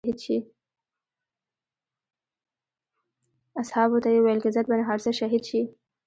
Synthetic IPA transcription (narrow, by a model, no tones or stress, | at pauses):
id̪ʃi | ashɑβot̪ajewajlkɪzat̪̚banaɦaɾsəʃaɦid̪ʃi